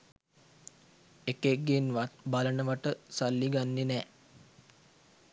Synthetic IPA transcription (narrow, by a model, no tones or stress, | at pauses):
ekeɡːenbalənəʋaʈəsalːiɡanːenɛː